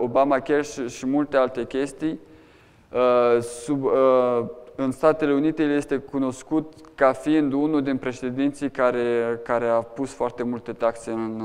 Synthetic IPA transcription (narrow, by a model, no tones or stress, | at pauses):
o̞bamakʲerʃimult̪e̞alt̪e̞kʲe̞st̪ij | sub | ɨnst̪at̪e̞le̞unit̪e̞jelje̞st̪e̞kuno̞skut̪kafiind̪unud̪inpɾe̞ʃe̞d̪int̪sijkaɾekaɾe̞apusfoart̪e̞mult̪e̞t̪akse̞ɨn